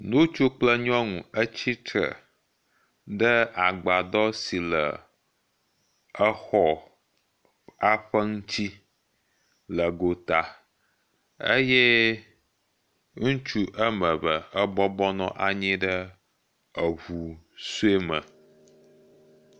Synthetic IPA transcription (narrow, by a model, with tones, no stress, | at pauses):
nũ˦t͡ʃu˦k͡plə˦ɲɔ̃˦ŋũ˨ə˦t͡ɕi˦t̪ɾə̰˨ | ɖə˦a˨ɡ͡ba˨d̪ɔ˦si˨lə̰˨ | ə˦xɔ˦ | a˦ɸə˦ŋũ˦t͡ɕi˦ | lə˨ɡo˨t̪a˨ | ə̰˦jɛ˦ | ŋũ˦t͡ʃu˦ʔə˦mə̃˨βə˨ə˦bɔ˦bɔ˦nɔ̰̃˦ʔa˨ɲĩ˦ɖə˦ | ə˨ɦu˨su˦e˦mə̰̃˨